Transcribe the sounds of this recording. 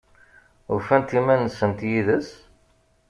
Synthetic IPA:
ufænt̪imænəsːənt̪jiðəs

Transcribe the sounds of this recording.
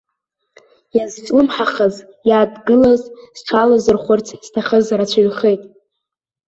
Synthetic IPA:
jazt͡ʃʷʼlɨmħaχəz | jaːdɡɨlazsʈ͡ʂʷʰalazɨrχʷʊrtʰstʰaχəzrat͡ɕʷʰaɥχejtʼ

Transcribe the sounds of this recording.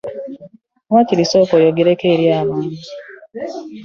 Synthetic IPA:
ŋwaːciɾisoːkojoɡiɾekeːɾjaːmaːɲi

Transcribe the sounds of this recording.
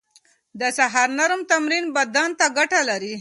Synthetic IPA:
d̪əsaɦɑɾnaɾmt̪amɾinbad̪ant̪aɡaʈalaɾi

